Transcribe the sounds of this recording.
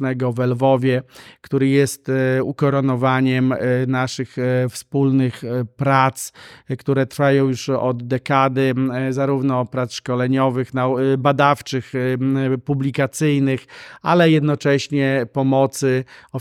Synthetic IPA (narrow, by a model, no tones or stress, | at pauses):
nɛɡɔvɛlvɔvʲjɛkt̪uɾɘjɛst̪ukɔɾɔnɔvaɲɛmnaʂɘxfspulnɘxpɾat̪skt̪uɾɛt̪ɾfajɔ̃w̃juʂɔd̪ːɛkad̪ɘzaɾuvnɔpɾat̪sʂkɔlɛɲɔvɘxnabad̪aft͡ʂɘx | publʲikat̪sɘjnɘxalɛjɛd̪nɔt͡ʂɛɕɲɛpɔmɔt̪sɘɔ